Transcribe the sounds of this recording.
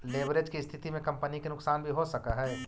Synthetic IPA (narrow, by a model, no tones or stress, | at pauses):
leːbɾeːd͡ʒkist̪ʰɪt̪imẽkɐ̃mpənikenʊksaːnbʱiɦosɐkaɦɛː